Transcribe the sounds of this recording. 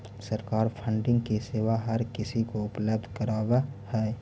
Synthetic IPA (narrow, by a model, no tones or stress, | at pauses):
səɾkaːɾpʰə̃ɳɖɪ̃ŋɡkiseːʋaɦɐɾkɪsikoʊpləb̚d̪ʱkəɾaːwahɛː